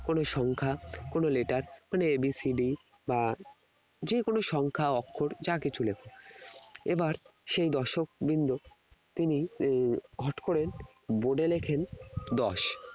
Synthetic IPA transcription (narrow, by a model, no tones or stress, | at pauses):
konoʃɔŋkʰakonoleʈaɾmaneebisiɖi | ba | d͡ʑekonoʃɔŋkʰaɔkʰːoɾd͡ʑakit͡ɕʰulekʰo | ebaɾʃejd̪ɔʃok̚bind̪o | t̪ini | ɦɔʈkoɾen | boɖelekʰend̪ɔʃ